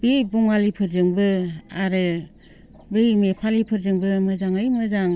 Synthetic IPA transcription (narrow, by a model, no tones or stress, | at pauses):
bebuŋalipʰɯɾzɯŋbɯaɾɯ | bejmepʰalipʰɯɾzɯŋbɯmɯzaŋɯjmɯzaŋ